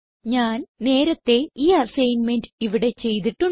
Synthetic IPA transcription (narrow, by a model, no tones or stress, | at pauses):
ɲaːnne̞ːɾɐt̪ːe̞iːɐsɐjnme̞nɖɨiʋiɽe̞t͡ɕe̞jt̪̬iʈːu